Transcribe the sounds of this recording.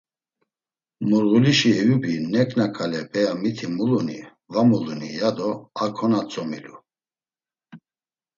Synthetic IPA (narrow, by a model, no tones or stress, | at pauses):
muɾɣuliʃiɛjubinɛkʼnakʰalɛbʰʼɛjamit̪ʰimulunḭ | vamulunḭjad̪ɔakʰɔnat͡sʼɔmilṵ